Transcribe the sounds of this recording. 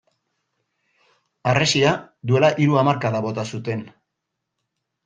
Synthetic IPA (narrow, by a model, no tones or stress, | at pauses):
aresiad̪ue̞laʔiɾuamaɾkaðaβo̞t̪asut̪e̞n